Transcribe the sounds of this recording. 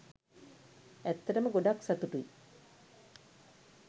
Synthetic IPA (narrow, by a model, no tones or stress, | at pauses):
æt̪ːɐʈəməɡoɖaksat̪uʈui